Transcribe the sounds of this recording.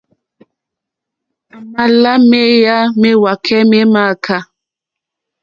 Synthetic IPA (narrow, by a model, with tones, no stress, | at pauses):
ma˨la˦me˦ja˦me˦wa˨kʰɛ˦me˦ma˦˨kʰa˦˨